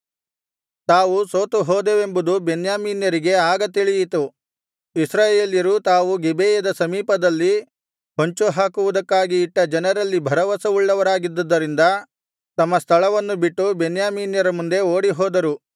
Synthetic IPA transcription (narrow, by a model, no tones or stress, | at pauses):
t̪aːʋusoːt̪uɦoːd̪eːʋe̞mbud̪ubenjaːmiːnjɐɾiɡe̞aːɡɐt̪iɭijit̪u | isɾaːjeːljɐɾut̪aːʋuɡebʱeːjɐd̪ɐsɐmiːpɐd̪ɐlːi | ɦoɲt͡ʃuɦaːkuʋud̪ɐkːaːɡiːʈːɐd͡ʒɐnɐɾɐlːibʱɐɾɐʋɐsɐuɭːɐʋɐɾaːɡid̪ːɐd̪ːɐɾind̪ɐ | t̪ɐmːɐst̪ʰɐɭɐʋɐnːubiʈːubenjaːmiːnjɐɾɐmund̪e̞oːɽiɦɔːd̪ɐɾu